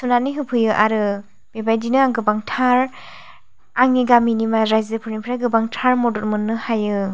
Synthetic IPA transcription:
sunaniɦɯpʰɯjɯʔaɾɯ | b̥ebajdinɯaŋɡɯbaŋtʰaɾ | aŋiɡaminimaɾajzɯpʰɯɾnipʰɾajɡɯbaŋtʰaɾmɔdɔɾmɯnːɯhajɯ

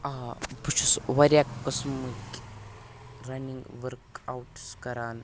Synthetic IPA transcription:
abut͡ʃʰusʋɐɾjakːɐsmɨkʲ | ɾɐniŋɡʋəɾkawʈskɐɾaːn

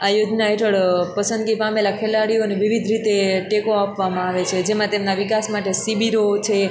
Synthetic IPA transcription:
ajod͡ʒnaɦeʈəɭpəsə̃nd̪ɡipamelakʰelaɽioneʋiʋid̪ʱɾit̪eʈekoapʋamãaʋet͡ʃʰed͡ʒemãt̪emnaʋikasmaʈesibiɾot͡ʃʰe

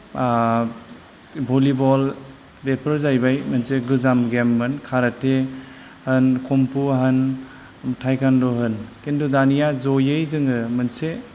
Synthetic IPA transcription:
bʱolibɔl | bepʰɯɾzajbajmɐnseɡɯzamɡemːɯnkʰaɾate | hɯnkʰompuaɦɯn | tʰajkandɔɦɯnkindudanijazojɯjzɯŋɯmɯnse

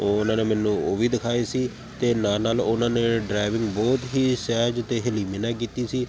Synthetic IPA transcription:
oʊnãːneːmɛːnũːoːʋiːd̪ɪkʰaːeːsiː | t̪eːnaːnaːlʊnãːneːɖɾaːɪʋɪŋɡbɔːt̪ɦiːsɛːɦd͡ʒt̪eːɦɛliːmeːnãːk̬iːt̪iːsiː

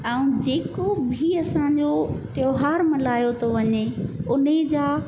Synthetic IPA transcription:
aːũd͡ʑeːkobʱiɐsãɲd͡ʑot̪joːɦaːɾmɐlaːjot̪ʰoʋɐɲeʊned͡ʑaː

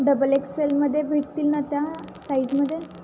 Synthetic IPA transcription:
ɖəbəlekselməd̪ʱːjebʱik̚t̪ilnat̪ja | sajd͡zməd̪ʱːje

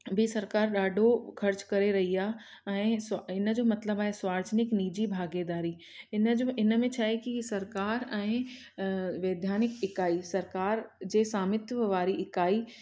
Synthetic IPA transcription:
bʱisɐɾkaːɾɗaːɖʱokʰɐɾt͡ɕkɐɾeɾɐɦiaː | ɛ̃ːsɪn̆d͡ʑoːmɐt̪ləbaːɦeswaːɾt͡ʃnɪkniːd͡ʑibʱaːɡed̪aːɾiː | ɪnɪnmẽt͡ɕʰaːekisɐɾkaːɾɛ̃ː | ʋeːd̪ʱjaːnɪkɪkaːisɐɾkaːɾd͡ʑeːsaːmɪt̪ʋəʋaːɾiɪkaːi

